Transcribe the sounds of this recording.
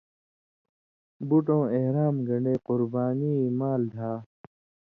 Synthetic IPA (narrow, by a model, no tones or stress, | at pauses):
buʈ̬õːeɦɾaːmɡɐɳɖeːqʊɾbaːniːmaːld̪ʱaː